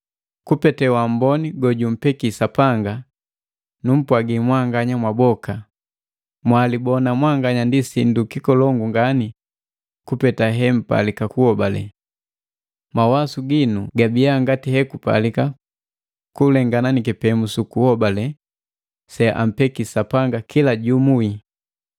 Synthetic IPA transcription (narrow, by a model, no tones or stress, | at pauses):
kupɛtɛwam̩bɔniɡɔɟum̩pɛkisapaŋɡa | num̩pwaɡimwaŋɡaɲamwabɔka | mwalibɔnamwaŋɡaɲandisindukikɔlɔŋɡuŋɡani | kupɛtaɦɛm̩pa̰likakuhɔbalɛ̰ | mawasuɡinuɡabiaŋɡatihɛkupa̰lika | kulɛŋɡananikɛpɛmusukuhɔbalɛ | sɛʔa̰m̩pɛkisapaŋɡakʰilaɟumui